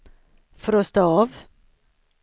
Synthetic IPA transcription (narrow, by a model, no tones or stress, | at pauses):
fɔɾoːst̪oːɑːʋ